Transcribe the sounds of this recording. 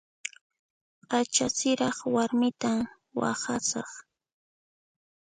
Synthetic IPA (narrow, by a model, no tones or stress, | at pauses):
qat͡ʃasɪɾɑχwaɾmɪt̪am | wa̰χasɑ̰χ